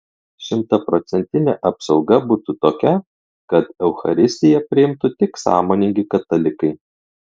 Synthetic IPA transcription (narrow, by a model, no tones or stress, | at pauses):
ʃʲɪmt̪ɐpɾɔt̪sʲɛnʲt̪ʲɪnʲɛʔɐpsɒʊɡɐbuːt̪ut̪oːkʲɛ | kɐt̪ɛʊxɐ̰ɾʲɪsʲt̪ʲɪjɛpʲɾʲɪɪmt̪ʊt̪ʲɪksɑ̰ːmoːnʲɪŋʲɡʲɪkɐt̪ɐlʲɪkɐɪ